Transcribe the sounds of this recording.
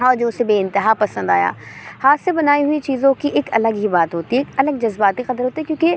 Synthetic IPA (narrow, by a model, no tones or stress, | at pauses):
ɔːɾd͡ʒosebeːɪ̃nt̪ɪɦaːpɐsə̃nd̪a̰ːja̰ːhaːt̪sebɐnaːiɦʊit͡ʃiːzõkiʔeːkɐləɡɦibaːt̪ɦoːt̪iɦɛekɐləɡ̚d͡ʒɐzbaːt̪iqɐd̪əɾɦoːt̪iɦɛkjõːke